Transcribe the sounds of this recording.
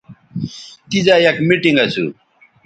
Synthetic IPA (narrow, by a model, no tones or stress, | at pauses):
t̪id͡ʑajɐkmiʈiŋɡɐt͡ɕʰṵ